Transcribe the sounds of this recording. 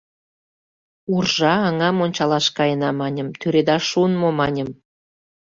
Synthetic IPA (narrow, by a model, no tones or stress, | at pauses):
urʒɑːŋɑmonʲt͡ɕɑlɑʃkɑjənɑmɑnʲə̆mt̪yɾed̪ɑʃunmomɑnʲə̆m